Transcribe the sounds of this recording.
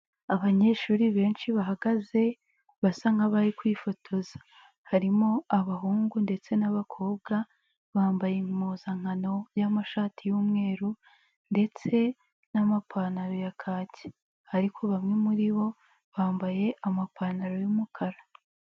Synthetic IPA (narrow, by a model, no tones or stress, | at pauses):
aβaɲe̞ʃuːɾiβe̞ːnʃiβaɦaɡaze̞ | βasaŋɡaβaɾikwiːfo̞tʰo̞za | haɾimo̞aβaɦuːŋɡunde̞t͡se̞naβakʰo̞ːb̚ɡa | βaːmbajemuːzaŋ̥ano̞jamaʃaːtʰijuːmŋe̞ːɾu | nde̞t͡se̞ | namapʰaːnaɾo̞jakʰaːci̥ | haɾikʰo̞βamŋe̞muɾiβo̞ | βaːmbaje̞ʔamapʰaːnaɾojumukʰaɾa